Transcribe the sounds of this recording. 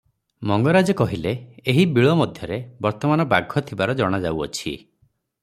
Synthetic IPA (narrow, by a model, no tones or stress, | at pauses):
mɔŋɡɔɾad͡ʒɔkɔɦileːɦibiɭɔmɔd̪ʱjɔɾebɔɾt̪ɔmanɔbaɡʱːɔt̪ʰibaɾɔd͡ʒɔɽ̃ad͡ʒawɔ̰t͡ʃʰḭ